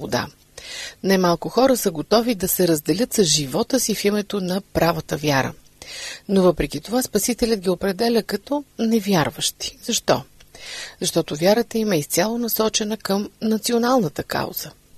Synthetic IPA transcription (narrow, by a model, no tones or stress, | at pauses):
od̪a̰ | nɛmalˠkʊxɔɾəsəɡot̪ɔvid̪ɐsɛɾəzd̪ɛlʲɤt̪səzʒivɔt̪əsifimɛt̪onɐpɾavət̪əvjaɾə̰ | novɤpɾɛkit̪ovaspɐsit̪ɛlʲət̪̚ɡʲiopɾɛd̪ɛlʲəkɐt̪ɔnɛvjaɾvəʃt̪i̥z̥ɐʃt̪ɔ | zɐʃt̪ɔt̪ʊvʲjaɾət̪əimɐist̪sʲalˠonɐsɔt͡ʃɛnəkəmnɐt̪sionalˠnət̪əka̰wz̥ə